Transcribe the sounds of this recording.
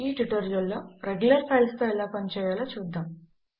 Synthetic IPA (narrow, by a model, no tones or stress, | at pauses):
iːʈuʈoːɾijɐlːoːɾeɡjulɐɾpʰɐjlst̪oːɛlaːpɐnit͡ʃɛːjaːlaːt͡ʃuːd̪ːaːm